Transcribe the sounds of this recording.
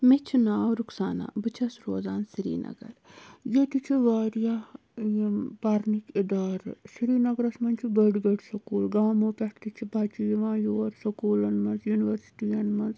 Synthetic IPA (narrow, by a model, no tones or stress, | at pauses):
met͡ʃʰinaːwɾuksaːna̰ːbɨt͡ʃʰɐsɾoːzaːnsɾḭːnʔɐ̰ɡɐ̰ɾjet̪it͡ʃʰiʋaːɾja | jpaːɾnikid̪aːɾsiɾiːnɐɡɾɐsmɐnt͡ʃʰibəɖɡɐɖsɐkuːlɡaːmoːpɛkʈ̪it͡ʃʰibʱaːt͡ʃijʋãːjoːɾsɐkuːlɐnmɐnzjuːniʋɐɾsi̥ʈijɐnmɐnz